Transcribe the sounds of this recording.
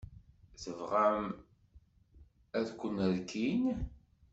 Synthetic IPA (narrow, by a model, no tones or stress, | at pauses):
θəvʁæm | æðkʷːənəɾkʰin